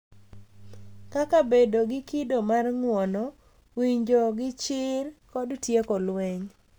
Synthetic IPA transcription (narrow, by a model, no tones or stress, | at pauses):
kakabedoɡɪkidomarŋwɔnɔ | wiɲd͡ʒoɡɪt͡ʃɪrkɔdtjekɔlwɛɲ